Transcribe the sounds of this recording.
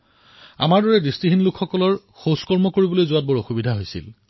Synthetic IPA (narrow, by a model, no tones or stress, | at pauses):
a̰maɹdɔɹɛdistiɦinlukʰxɔkɔlɔɹ | xoskɔɹmɔkoɹibɔlojzʊat̚bɔɹoxubidʱaɦojsḭl